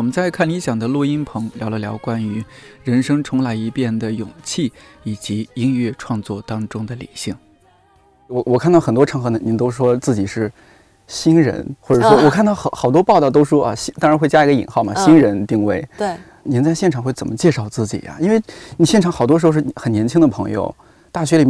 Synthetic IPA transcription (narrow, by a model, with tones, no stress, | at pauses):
wɔ˨˩mə˦nt͡sa˥˧ɪkʰa˥˩nli˧˥ɕjɑ˨˩ŋd̪ə˦lwɔ˥˩i˥npʰɤ˧˥ŋljɑ˧˥ʊlə˧ljɑ˧˥ʊkwa˥ny˧˥ɻə˧˥nʂɤ˥ŋt͡sʰʊ˧˥ŋla˧˥ɪi˧˥pjɛ˥˩nd̪ə˩jʊ˨˩ŋt͡ɕʰi˥˩i˨˩t͡ɕi˧˥i˥ŋɥɛ˥˧ʈ͡ʂʰwɑ˥˧ŋt͡swɔ˥˩t̪ɑ˥ŋʈ͡ʂʊ˥ŋd̪ə˨li˨˩ɕi˥˩ŋ | wɔ˨˧˩wɔ˨˩kʰa˥˩˧t̪ɑ˥˩ʊxə˨˩nt̪wɔ˥ʈ͡ʂʰɤ˧˥ŋxɤ˧˥nə˨˩ni˧˥nt̪o˥ʊ˥ʂwɔ˥t͡sɹ̩˥˩t͡ɕi˨˩ʂɻ̩˥˩ | ɕi˥nɻə̰˧˥nxwɔ˥˩ʈ͡ʂɤ˨˩ʂwɔ˥wɔ˨˩kʰa˥˧nt̪ɑ˥˩ʊxɑ˧˥xɑ˨˩ʊt̪wɔ˥pɑ˥˧ʊt̪ɑ˥˩t̪o˥ʊʂ̩˥˩ʂwɔ˥ʔa̰˥˧˩ɕi˥t̪ɑ˥ŋɻa˧˥xwe˥˩ɪt͡ɕja˥i˧˥ɡə˧˩ḭ˨˩nxɑ˥˩ʊmɐ˨˩ɕi˥nɻə˧˥nt̪i˥˧ŋwe˥˩ɪ˥˩ | ni˧˥nt͡sa˥˧ɪɕjɛ˥˩ʈ͡ʂʰɑ˨˩ŋxwe˥˩ɪt͡sə˨˩nmə˦t͡ɕjɛ˥˧ʂɑ˥˧ʊt͡sɹ̩˥˩t͡ɕḭ˨˩jɐ̰˦i˥nwe˥˩ɪni˨˩ɕjɛ˥˩nʈ͡ʂʰɑ˧˥ŋxɑ˨˩t̪wɔ˥ʂɻʂ̩˥˩xə˨˩njɛ˧˥nt͡ɕʰi˥ŋd̪ə˨pʰɤ˧˥ŋjo̰˧ʊ | t̪a˥˩ɕɥɛ˧˥li˨˩